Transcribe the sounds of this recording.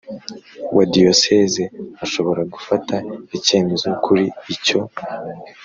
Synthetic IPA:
wʔadiosezeaʃo̞βo̞ɾaɡufataice̞ːme̞zokʰuɾiːco̞

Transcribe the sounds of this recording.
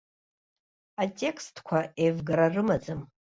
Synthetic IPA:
atʼe̞kʰstʰkʷʰaʔevɡaɾarɨmad͡zɨm

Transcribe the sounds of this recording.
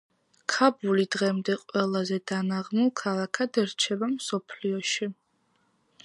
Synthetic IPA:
kʰabulid̪ʁɛmd̪ɛqʼwɛlˠazɛd̪̥anaʁmulˠkʰalˠakʰad̪ɛɾt͡ʃʰɛbamsɔpʰliɔʃi

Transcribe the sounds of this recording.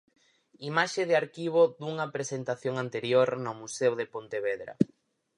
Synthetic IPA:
imaʃeðɪaɾkiβ̞od̪uŋɐpɾesent̪aθjoŋant̪eɾjoɾnʊmusewðepont̪eβeðɾɐ̰

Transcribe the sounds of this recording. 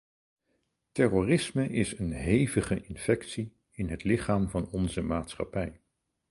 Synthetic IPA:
tɛroːrɪsməʔɪsənɦejvəχəʔɪnfɛksi | ɪnɦətlɪχaːmvɑnɔnzəmaːtsχɑ̰pɛj

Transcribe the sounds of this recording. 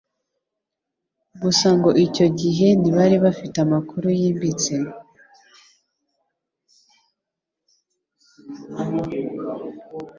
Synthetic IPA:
ɡusaŋɡo̞ʔico̞ɟiɦe̞niβaɾiβafitamakʰuɾujiːmbit͡se

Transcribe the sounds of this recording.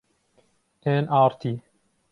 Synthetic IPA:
enʔaːɾt̪ʰiː

